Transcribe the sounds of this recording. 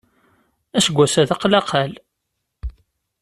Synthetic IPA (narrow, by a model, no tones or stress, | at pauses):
æsəɡʷːæsæðɑqːlɑqʰæl